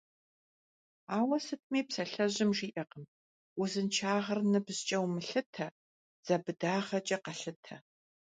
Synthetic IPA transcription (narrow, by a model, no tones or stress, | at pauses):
aːwɐsɨt̚ʰmeːpsɐɬɐʑɪmʒiːʔɐqəm | uzɨnt͡ʃʰaːʁɐrnɨbzt͡ʃʼɐwmɨɬɨtʰɐ | z̥ɐbɨdaːʁɐt͡ʃʼɐqɐɬɨtʰɐ